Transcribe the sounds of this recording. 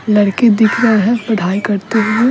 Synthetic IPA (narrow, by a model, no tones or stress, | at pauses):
lɐɽked̪ɪkʰɾɐɦeɦɛ̃bɐɽ̤aːikɐɾt̪eɦuɦe